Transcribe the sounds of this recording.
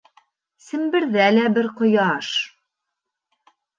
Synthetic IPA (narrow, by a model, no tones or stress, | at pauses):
sɘ̆mbɘ̆ɾðælæbɘɾqŏjɑʃ